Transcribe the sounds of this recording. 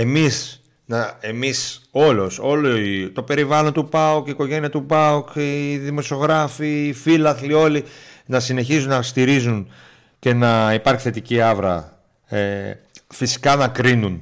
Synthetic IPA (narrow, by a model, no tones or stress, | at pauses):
e̞mis | nɐe̞miso̞lo̞so̞loit̪o̞pe̞ɾivɐlo̞nt̪upɐukiko̞ʝe̞niɐt̪upɐukːðimo̞sio̞ɣɾɐfiːfilɐθlio̞linɐsine̞çizunnɐst̪iɾizun | ce̞nɐipɐɾçi̥θe̞t̪iciɐvɾɐ̰ | efisi̥kɐnɐkɾinun